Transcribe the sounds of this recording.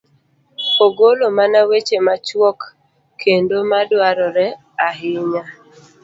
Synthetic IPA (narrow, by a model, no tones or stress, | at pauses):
oɡolomanawet͡ʃemat͡ʃwɔkːʰ | endomadwaɾɔɾɛ | aɦɪɲa